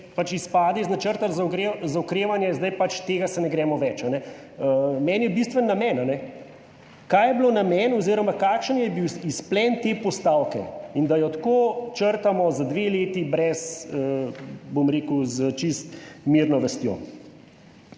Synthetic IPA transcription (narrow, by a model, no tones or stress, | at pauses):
pat͡ʃispaːd̪ɛiznat͡ʃəɾt̪alzakɾezaɔkɾeːʋanjɛzd̪ajpat͡ʃt̪eːɡasɛnɛɡɾɛːmɔʋɛt͡ʃanɛ | əmɛːnjɛbist̪ʋɛnːamɛnanɛ | kajɛblonamɛnɔziɾɔmakakʃənjɛbiwisplɛnt̪epɔst̪aːwkɛ̰ind̪ajɔt̪koːt͡ʃəɾt̪amɔzad̪ʋeleːt̪ibɾɛsəbomɾeːkuzət͡ʃist̪miːɾnɔʋəst̪jo̰ː